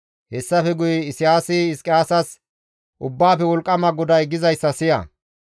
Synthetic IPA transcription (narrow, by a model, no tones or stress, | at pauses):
hɛsːɐfɛɡʊjɛɪsɪjaːsɪɪskʼɪjaːsɐs | ʔʊbːaːfɛwɔlkʼːɐmɐɡɔd̪ɐjɡɪzɐjsːɐsɪjɐ̰